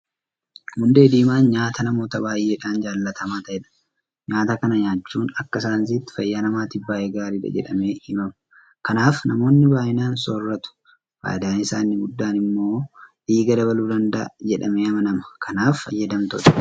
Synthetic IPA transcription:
hʊnd̪e̞ːd̪iːmaːnɲaːt̪ɐnɐmo̞ːt̪ɐbaːjʔe̞ːᶑaːnd͡ʒaːlːɐt̪ʰɐmaːt̪ɐɛᶑɐ̥ | ɲaːt̪ɐkɐnɐɲaːt͡ʃːuːnɐkːɐɪsaːns̬iːt̪ːɪ̥fɐjːaːnɐmaːt̪ɪbaːʔeːɡaːɾiːᶑɐ̰d͡ʒɛ̰ᶑɐ̰me̞ːhɪmɐmɐ̥ | kɐnaːfnɐmo̞ːnːɪbaːʔɪnaːnsoːrːɐt̪ʊ̥ | ba̰ːd̪aːnɪsaːnːɪɡʊd̪ːaːnɪmːo̞ːᶑiːɡɐd̪ɐbɐluːd̪ɐnd̪ɐ̰d͡ʒɛᶑɐmeːɐmɐnɐmɐ̥kʰɐnaːfɐ̰jːɐd̪ɐmt̪ɔ̰t̪ɐ̥

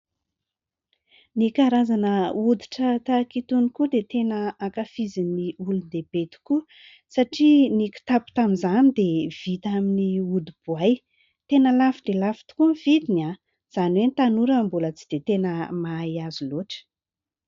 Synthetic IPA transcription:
nikaɾazanəud̪i̥ʈ͡ʂət̪akit̪unikud̪et̪enəakafiziniulud̪eb̥et̪i̥ku | saʈ͡ʂiniku̥t̪apu̥t̪amizanid̪ev̥it̪aminiud̪ib̥uaj | t̪enəlafid̪̥elafi̥t̪u̥kumivid̪ina | z̥aniwenit̪anuɾəmbulət͡si̥d̪̥et̪enəmajaziloʈ͡ʂə̥

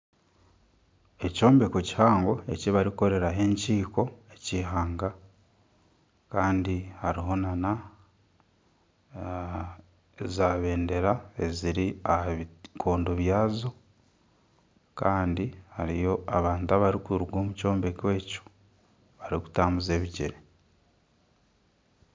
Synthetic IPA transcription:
e̞co̞ːmbe̞ko̞ci̥haːŋɡo̞e̞̰ciβaɾiko̞ɾe̞ɾaɦe̞ːɲciːko̞e̞ciɦaːŋɡa | kaːndihaɾiɦo̞nana | ezaːβe̞ːnde̞ɾae̞ziɾiahaβikʰo̞ːndoβjaːzo̞ | kaːndihaɾijo̞aβaːntuaβaɾikuɾuɡwoːmuco̞ːmbe̞kwe̞ːco̥ | βaɾiku̥taːmuze̞ːβiɟeɾe

